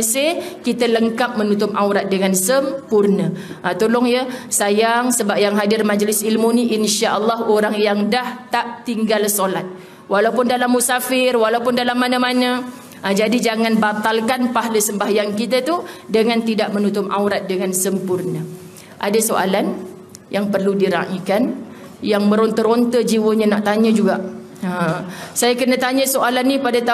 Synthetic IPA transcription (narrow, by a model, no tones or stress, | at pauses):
əsɪhkit̪ələŋkap̚mənut̪ʊmʔawɾat̪̚dəŋansəmpurnə | ʔat̪olʊŋjəsajaŋsəbap̚jaŋɦadɪrmad͡ʒlɪsilmuniʔinʃaʔəlːɔɦoɾaŋjaŋdaht̪aʔt̪iŋɡalsolat̪̚ | walawpʊndalamːusafɪrwalawpʊndalamːanəmanə | ʔəd͡ʒadid͡ʒaŋãnbat̪alkanpaɦləsəmbaɦjankit̪at̪udəŋãnt̪idaʔmə̃nut̪ʊma̰wɾat̪̚dəŋansəmpurnə | ʔadasoʔa̰lan | jaŋpərludiɾa̰ʔikan | jaŋmə̃ɾont̪əɾont̪əd͡ʒiwəɲãnaʔt̪aɲə̃d͡ʒuɡaʔ | əsajakənə̃t̪aɲə̃soʔalanːipadat̪a